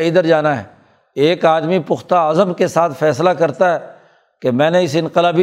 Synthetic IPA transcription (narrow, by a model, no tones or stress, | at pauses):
id̪əɾd͡ʒaːnaɦɛ̰ | eːkaːd̪mipʊxt̪aːzəmkesaːt̪ʰfɛːslakɐɾt̪aɦɛ | kemɛ̃ːneɪsɪ̃nqɪlaːbi